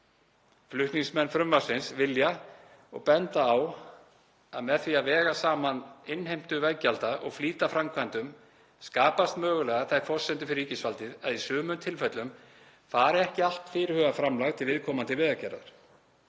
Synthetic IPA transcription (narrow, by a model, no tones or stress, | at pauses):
flʏht̪niŋsmɛnːfɾʏmːasɪnsvɪlja | ɔ̰ɣpɛnt̪aːw | a̰ðmɛðθiaðvɛːɣasaːmanɪnːhejm̥t̪ʏvɛcalt̪aʔɔ̰ɣfliːt̪afɾamkʰvant̪ʏm | skaːpast̪mœːɣʏlɛːɣaθajfɔr̥sɛnt̪ʏfɪɾicɪsvalt̪ɪðaðisʏːmʏmt̪ʰɪlfɛt̪lʏm | faːɾɪɛhcɪal̥t̪fɪːɾɪhœːɣafɾamlaɣt̪ʰɪlvɪðkʰɔːmant̪ɪvɪːðacɛɾa̰ɾ̥